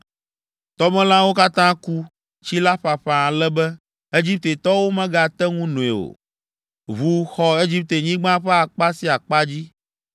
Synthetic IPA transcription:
t̪ɔ˦mɛ̃˦lã˦wo˦ka˦t̪ã˦ku˦ | t͡ɕi˦la˦ɸa˨ɸɛ˨a˨lɛ˦bɛ˦ | e˦d͡ʑi˦p̚t̪e˨t̪ɔ˦wo˦mɛ̃˦ɡa˨t̪ɛ˦ŋũ˦nũ˨ḛ˨o̰˨ | βu˨xɔ˨e˦d͡ʑi˦p̚t̪e˨ɲĩ˦ɡ͡bã˦ɸɛ˦a˨k͡pa˦si˦a˨k͡pa˦d͡ʑi˦

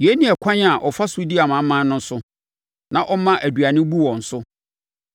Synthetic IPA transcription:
je˦nĩ˨ɛ˨kʰã˦ɲ˦a˨ʔɔ˨fa˦su˨˦di˦a˨mã˨˦mã˨˦nʊ̃˦n̩˦sʊ˦ | nã˨ʔɔ˦mã˦ʔæ˨dɥa˨nɪ̃˦bu˦wɔ̃˨n̩˨sʊ˦

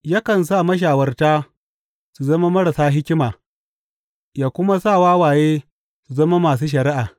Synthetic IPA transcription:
ja˦kɐ˨ns̬aː˦˨mɐ˦ʃ̬aː˨wɐ˦rtaː˦ | su˨zɐ˦ma˦mɐ˦ɾa˨saː˦ɦɪ˦kʲɪ˦maː˨ | jaː˨kʷʊ˦ma˦saː˦˨waː˦waː˨jeː˦ | su˨zɐ˦ma˦maː˨s̬uː˦ʃ̬ɐ˨ɾɪ˦ʔaː˨

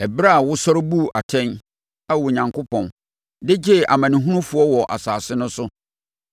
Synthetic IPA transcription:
ɛ˨bɾa˦˨wʊ˦sɔ˦ɾbu˦˨ʔa˨tʰɛ̃˦n | a˦wʊ˨ɲã˨ŋkʰo˦pʰɔ̃˨n | dɪ˦d͡ʑɪ˦˨ʔa̰˨mã˨nɪ̃˨ɦũ˦nũ˦fʊ˨˦ɔ˦wɔ˨ʔa̰˨saː˨sɪ˦nʊ̃˦sʊ˦

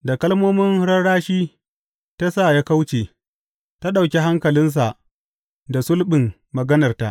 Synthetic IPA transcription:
da˨kɐ˦lmoː˦mɪ˦nɽɐ˦ɽaː˦ʃiː˦ | ta˦saː˦˨ja˦ka˦wt͡ʃeː˨ | ta˦ɗa˨wkʲe˦ɦa˦ŋkɐ˨lɪ˦ns̬a˨ʔ | da˨sʊ˦lɓɪ˨mː | ɐ˨ɡɐ˦nɐ˨rta˦ʔ

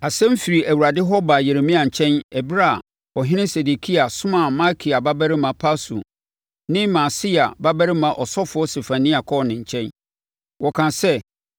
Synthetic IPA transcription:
a˨sɛ̃˦m̩˦fi˨ɾi˨ʔæ˨wu˨ɾa˨dɪ˦ɦɔ˦ba˨je˨ɾe˨mĩ˦a˨ɲ̩˨t͡ɕʰɛ̃˦nɛ˨bɾa˦˨ | ɔ˨ɦɪ̃˦nɪ̃˦se˨de˨kʰi˦a˨sʊ̃˦mã˨ma˦kʰi˨a˨ba˦bæ˦ɾɪ˦mã˨pʰa˦sṵ˨ | nɪ̃˦mã˨si˦a˨ba˦bæ˦ɾɪ˦mã˨ʔɔ˨sɔ˦fʊ˨˦ɔ˦se˨fã˨nĩ˦a˨kʰɔ˦˨nɪ̃˨ɲ̩˨t͡ɕʰɛ̃˦n | wɔ˨kʰã˨sɛ˦˨

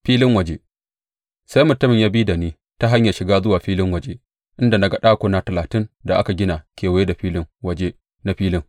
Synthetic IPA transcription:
ɸiː˦lɪ˦ŋwɐ˨d͡ʒeː˦ | sa˦jmʊ˨tːʊ˦mɪ˨ɲjaː˦biː˦da˨niː˦ | ta˦ɦa˦ɲja˨ʃɪ˨ɡaː˦zʊ˦waː˨ɸiː˦lɪ˦ŋwɐ˨d͡ʒe˦ | ʔɪ˦nda˨na˨ɡɐ˦ɗaː˦kʷoː˨na˦tɐ˨laː˨tɪ˦nda˨ʔa̰˦ka˨ɡʲɪ˦naː˨kʲeː˨wa˨je˦da˨ɸiː˦lɪ˦ŋwɐ˨d͡ʒe˦ | na˦ɸiː˦lɪ˦ŋ

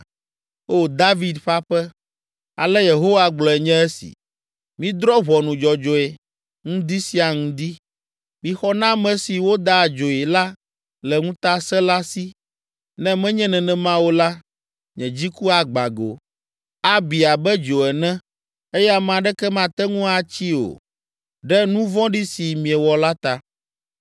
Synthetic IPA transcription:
o˦d̪a˦vi˨d̪ɸa˦ɸɛ˦ | a̰˨lɛ˦je˨ɦo˦wa˨ɡ͡blɔ˨ɛ˨ɲɛ̃˦ɛ˦sḭ˨ | mĩ˦d̪ɾɔ˦βɔ˨nũ˨d͡ʒɔ˨d͡ʒo˨e˨ | ŋũ˦d̪i˦si˦a˨ŋũ˦d̪i˦ | mĩ˨xɔ˦nã˦mɛ̃˦si˨wo˦d̪a˦˨d͡ʒo˨ɛ˨la˦ | lɛ˨ŋũ˦t̪a˦sɛ˦la˦si˦ | nɛ̃˦mɛ̃˦ɲɛ̃˦nɛ̃˨nɛ̃˨mã˦wo˦la˦ | ɲɛ̃˨d͡ʑi˦ku˦a˨ɡ͡ba̰˨ɡo̰˨ | a˦bi˨a˨bɛ˦d͡ʒo˨ɛ˨nɛ̃˦ | e˦ja˦mã˨ɖɛ˦kɛ˦mã˨t̪ɛ˦ŋũ˦a˨t͡ɕi˦o̰˨ | ɖɛ˦nũ˦vɔ̃˦ɖi˦si˨mĩ˨ɛ˨wɔ˨la˦t̪a˦

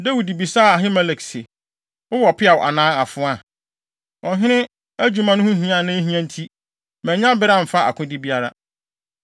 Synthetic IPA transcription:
dæ˦wu˨di˨bi˨saː˦˨a˨ɦɪ̃˦mɛ˦le˨kse˨ | ʊ˦wɔ˨pʰɪ˦a˨wɔ˨ʔa̰˨nãː˨˦a˨fʊ̃˨˦a˨ | ɔ˨ɦɪ̃˦ɾɪ̃˦ | æ˦d͡ʑᶣu˦mã˨˦nʊ̃˦hʊ̃˦ɦĩ˨˦ã˦˨nʊ̃˦ɦĩ˦æ̃˦n̩˦tʰi˦ | mɛ̃˨ɲã˦bɪ˦ɾã˦˨m̩˨fa˦ʔa̰˨kʰʊ̃˦di˦bi˦a˦ɾa̰˦

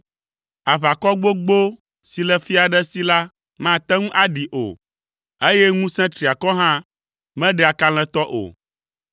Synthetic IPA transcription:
a˨βa˨kɔ˦ɡ͡bo˦ɡ͡bo˦ | si˨lɛ˨fi˦a˨ɖɛ˦si˦la˦ | mã˦˨t̪ɛ̃˦ŋũ˦ʔa˦ɖi˨ʔo̰˨ | e˦jɛ˦ŋũ˦sɛ̃˦t̪ɾi˨a˨kɔ˦ɦã˦ | mɛ̃˦ɖɛ˦˨a˨ka˦l̃ɛ̃˦t̪ɔ˦ʔo̰˨

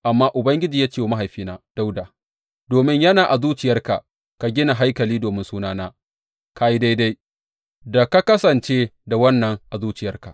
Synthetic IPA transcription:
ʔa˨mːaː˦ʔʊ˨bɐ˦ŋɡʲɪ˦d͡ʒiː˨jaː˦t͡ʃe˦wo˨ma˦ɦa˨jɸiː˦naː˦d̥a˦wda˨ | doː˨mɪ˦ɲjɐ˦naː˨ʔa˨zuː˦t͡ʃɪ˨jɐ˦rka˨ | ka˨ɡʲɪ˦na˨ɦa˦jkɐ˨liː˦doː˨mɪ˦nsuː˦naː˦naː˦ | kaː˦ji˦da˦jda˦j | da˨ka˦kɐ˦sɐ˨nt͡ʃeː˦da˨wɐ˦nːɐ˨ŋʔa˨zuː˦t͡ʃɪ˨jɐ˦rka˨

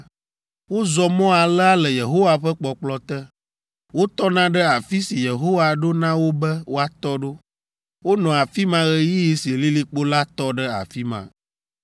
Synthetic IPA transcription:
wo˦zɔ˨mɔ̃˦a˨lə˦a˦lɛ˨je˨ɦo˦wa˨ɸɛ˦k͡pɔ˨k͡plɔ˦t̪ɛ˦ | wo˦t̪ɔ˦nã˦ɖə˦a˨fi˦si˨je˨ɦo˦wa˨ɖo˦nã˦wo˦bɛ˦wo˦a˨t̪ɔ˦ɖo˦ | wo˦nɔ̃˨a˨fi˦mã˦ɣɛ˦ji˦ji˦si˨li˦li˦k͡po˦la˦t̪ɔ˦ɖə˦a̰˨fi˦mã̰˨

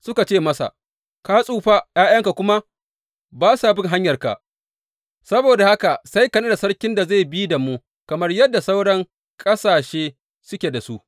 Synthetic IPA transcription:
sʊ˦ka˨t͡ʃeː˦˨mɐ˦sa̰˨ʔ | ka˦sʼuː˦˨ɸa˦jaː˦jɐ˦ŋka˨kʷʊ˦ma˦ | baː˦sa˨bɪ˦ŋɦa˦ɲjɐ˨rka̰˨ʔ | sɐ˦boː˨da˨ha˦ka˨sa˦jkɐ˨ne˦da˨sɐ˦rkʲɪ˦nda˨za˦˨jbi˦da˨mu˦ | kɐ˨mɐ˦rjɐ˦dːa˨sa˦wɽɐ˦ŋ | kʼɐ˦saː˨ʃeː˦ | sʊ˦kʲe˨da˨su˦ʔ

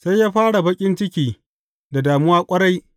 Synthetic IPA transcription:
sa˦jːaː˦ɸaː˦ɽa˨bɐ˦kʲʼɪ˦nt͡ʃɪ˦kʲiː˨ | da˨daː˨mʊ˦waː˦kʷʼɐ˦ɽa˦j

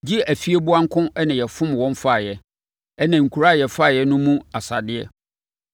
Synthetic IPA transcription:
d͡ʑi˦æ˨fi˦e˦bʊ˦ã˦ŋ̩˦kʰʊ̃˦ɛ˦nã˨jɛ˨fʊ̃˦mwɔ̃˦ɱ˦fa˦˨jɛ˨ | ɛ˦nã˨ŋ̩˨kʰu˨ɾa˦˨jɛ˨fa˦˨jɛ˦nʊ̃˦mũ˦a˨sa˨dɪ˦ɛ˦

